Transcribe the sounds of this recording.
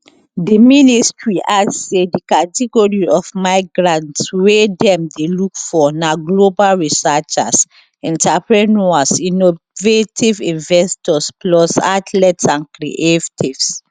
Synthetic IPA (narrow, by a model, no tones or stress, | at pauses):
diministɹiʔassedikatiɡɔɹiɔfmaɪɡɹãntswedɛ̃mdelukfɔnaɡlobalɹisat͡ʃas | ĩntapɹinuasino | vetʰivĩnvɛstɔsplɔsatʰlɛtsãnkɹḭʔetʰivs